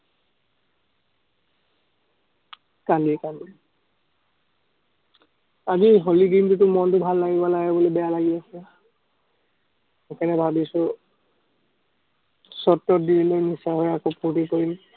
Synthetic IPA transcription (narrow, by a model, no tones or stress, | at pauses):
kandikandi | aziɦoliɡintutʊmɔntʊbʱalːaɡibalaɡɛbolobɛjalaɡiasɛ | kanɛbʱabisʊ | sɔtːɔdiilojnisaɦɔjakoputikoɹin